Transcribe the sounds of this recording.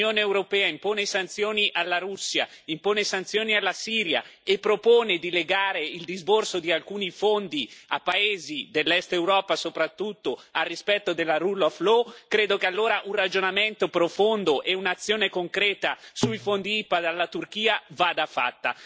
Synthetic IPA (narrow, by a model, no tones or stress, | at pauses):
oːneːwɾopɛːaimpoːnesant̪sjoːniʔalːaɾusːja̰ | impoːnesant̪sjoːnialːasiːɾja̰epːɾopoːned̪ileɡaːɾeild̪izborsod̪ialkuːnifond̪iapːaeːzid̪elːɛst̪ewɾɔːpasopɾat̪ːut̪ːoarːispɛt̪ːod̪elːaɾuloflokɾeːd̪okealːoːɾaʔunrad͡ʒonament̪opɾofond̪oʔɛunat̪sːjoːnekoŋkɾɛːt̪asuifond̪iipad̪alːat̪urk̟iːavad̪afa̰t̪ːa̰